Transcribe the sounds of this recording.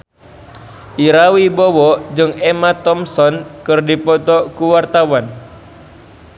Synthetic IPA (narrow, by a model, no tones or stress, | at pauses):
ʔiɾawibɔwɔd͡ʒɨŋɛmat̪ɔmsɔnkɨrdipɔt̪ɔkuwart̪awan